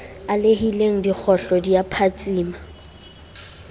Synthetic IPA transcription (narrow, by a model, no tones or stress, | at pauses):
alehileŋ̩dik͡xʰɔɬɔdiapʰat͡sʼiːma